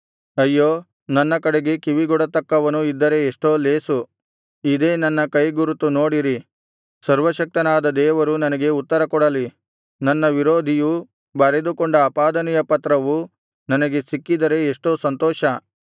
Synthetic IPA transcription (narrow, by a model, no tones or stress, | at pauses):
ɐjːoː | nɐnːɐkɐɽeɡe̞kiʋiɡɔɽɐt̪ɐkːɐʋɐnuid̪ːɐɾe̞ːʂʈo̞ːleːsu | id̪e̞ːnɐnːɐkɐjɡuɾut̪ːuno̞ːɽiɾi | sɐɾʋɐʃɐk̚t̪ɐnaːd̪ɐd̪ɛːʋɐɾunɐnɐɡe̞ut̪ːɐɾɐkɔɽɐli | nɐnːɐʋiɾoːd̪ʱiju | bɐɾed̪ukɔɳɖɐːpaːd̪ɐnɛjɐpɐt̪ɾɐʋu | nɐnɐɡe̞sikːid̪ɐɾe̞ːʂʈoːsɐnt̪ɔːʃɐ